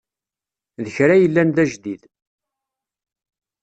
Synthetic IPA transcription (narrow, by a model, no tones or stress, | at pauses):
ðəçɾajəlːænðæʒd̪ið